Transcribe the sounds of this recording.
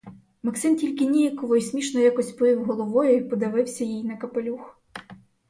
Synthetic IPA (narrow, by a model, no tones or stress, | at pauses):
mɐksɪntʲilʲkɪnʲijɐkɔʋɔjsʲmʲiʃnɔjakɔsʲtʲpɔɪwɦɔlˠɔʋɔjʊipɔd̪ɐʋɪwsʲɐjijnɐkɐpelʲux